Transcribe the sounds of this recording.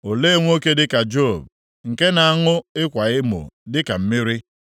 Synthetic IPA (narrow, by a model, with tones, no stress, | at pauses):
o˨le˦˨ŋʷ˦o˦ke˦dɪ˦ka˨d͡ʒo˦˨b̚ | ŋ̩˨ke˦na˨a˦˨ŋʊ˦ɪ˦kʷa˨ɣɪ˦mʊ̰˨dɪ˦ka˨m̩˦mɪ˦ɾi˦